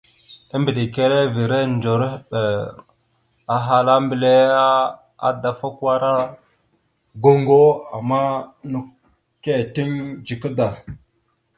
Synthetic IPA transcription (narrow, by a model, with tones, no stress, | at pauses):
ə˦mbi˨ɗi˨ke˦le˦vi˨ɾe˦nd͡ʒo˨ɾɓe˨ | a˨ɦa˦la˦mbi˨le˦a˦ | a̰˦da˨fa˦kwa˦ɾa˦ | ɡo˦ŋɡo˦a˨ma˦nu˨ | ke˦˨ti˦nd͡ʒi˨kə˦da˨